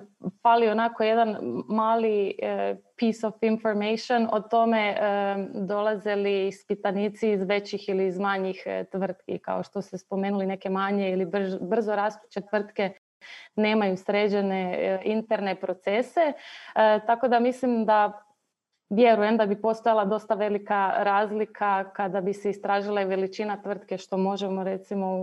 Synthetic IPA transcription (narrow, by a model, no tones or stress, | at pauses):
falio̞nako̞je̞d̪anmaːli | pisofinfoɾmejʃionot̪o̞me̞əd̪o̞lˠazelispit̪anit̪siːzʋe̞t͡ɕixiliːzmaɲixt̪ʋr̩t̪kḭka̰oʃt̪o̞st̪espo̞meːnuline̞ke̞maɲeilibbr̩zoɾaspu̥t͡ɕet̪ʋr̩t̪ke̞ | ne̞ːmajusɾe̞d͡ʑene̞int̪eɾnepɾo̞t̪sese̞ | t̪ako̞d̪amislimd̪a | ʋje̞ɾujemd̪abipo̞st̪ojalˠad̪o̞st̪aʋe̞likaɾaːzlikʰakad̪abiseist̪ɾaːʒilˠaiʋe̞lit͡ʃinat̪ʋr̩t̪ke̞ʃt̪o̞mo̞ʒemo̞ɾet̪simo̞